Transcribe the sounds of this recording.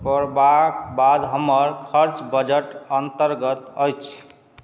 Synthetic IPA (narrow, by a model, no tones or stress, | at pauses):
pɔɾbakbad̪ɦəməɾkʰəɾt͡ʃbəd͡ʒəʈənt̪əɾɡət̪əjt͡ʃʰ